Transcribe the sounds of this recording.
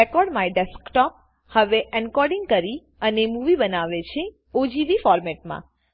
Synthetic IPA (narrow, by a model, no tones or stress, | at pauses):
ekɔɾɖmãeɖɛskʈɔp̚ | həʋeʔɛnkɔɾɖɪŋɡ̚kəɾi | ənemuʋibənaʋet͡ʃʰe | od͡ʒibifɔɾmɛʈmã̰